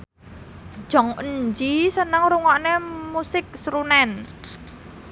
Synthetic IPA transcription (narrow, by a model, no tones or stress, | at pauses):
d̥ʒ̥ɔ̤ŋəɲd͡ʒisənəŋɾuŋɔʔnemusɪk̚sɾunɛn